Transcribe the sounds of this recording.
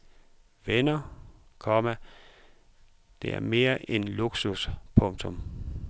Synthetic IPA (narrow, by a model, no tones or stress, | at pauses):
ʋenɐkʰɒ̽mæ | d̥e̝æɐme̝ːɐʔenluɡ̥suspʰɔ̽ŋt͡sʰɔ̽m